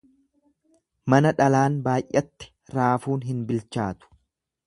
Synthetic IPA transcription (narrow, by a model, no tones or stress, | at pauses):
mɐnɐᶑɐlaːnbaːjʔɐt̪ːɪ̥ | ɾaːfuːnɦɪnbɪlt͡ʃaːt̪ʊ̥